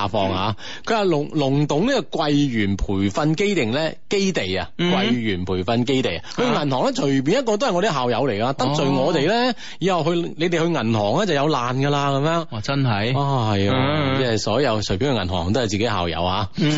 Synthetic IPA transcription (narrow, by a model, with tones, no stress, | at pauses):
aː˨˩fɔː˧ŋha̰ː˨˧ | kʰɵ˨˧ɥwaː˨˧lʊ˨˩lʊ˨˩ŋt̪ʊ˨˥ŋliː˥kɔ˧kwɐ˧jjyː˨˩npʰuː˨˩jfɐ˧nke˥jt̪ɪ˨ŋlɛː˥ke˥jt̪e˨jɐ̰˧kwɐ˧jɥyː˨˩npʰuː˨˩jfɐ˧nke˥jt̪e˨jɐhɵ˧ŋɐ˨˩nhɔː˨˩ŋlɛː˥t͡ʃʰɵ˨˩p̬iː˨njɐ˥t̚kɔː˧t̪o˥whjŋɔ˧t̪i˨˥ɦaː˨wjɐ˨˧wle˨˩jka˧t̪ɐ˥p̚t͡sɵ˨jŋɔː˨˧t̪e˨jlɛː˥ | jiː˨˥hɐ˨wɦɵ˧ɥne˨˧t̪e˨jhɵ˧ɥŋɐ˨˩nhɔː˨˩ŋlɛː˥t͡sɐ˨wjɐ˨˧wlaː˨nɡɐ˧laː˧kɐ˨˦mjœː˥ŋ˨t͡sɐ˥nɦɐ˨˧jwaː˧hɐ˨jɐ˧ɛ˥˨˩sɔː˨˥jɐ˨˧wt͡ʃʰɵ˨˩piː˨˥nhŋɐ˨˩nhɔ̰ː˨˩ŋt̪o˥hɐ˨˩jt͡siː˨ke˨˥jha̰ː˨˩wjɐ̰˨˧whaː˨˧